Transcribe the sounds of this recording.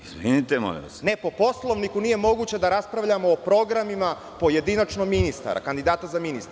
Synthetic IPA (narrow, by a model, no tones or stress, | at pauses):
izʋinit̪emo̰lḭʋa̰sne̞po̞po̞slˠo̞ʋnikuniːje̞mo̞ɡuːt͡ɕed̪aɾaspɾaʋʎamo̞ːpɾo̞ɡɾamima | po̞je̞d̪inat͡ʃnoɡminist̪a̰ɾʔa̰kand̪id̪aːt̪azaminist̪ɾ